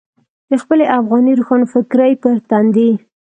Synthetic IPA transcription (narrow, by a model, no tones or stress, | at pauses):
d̪̥əxpəleʔafɣɑniɾuxɑnofɪkɾajpəɾt̪and̪i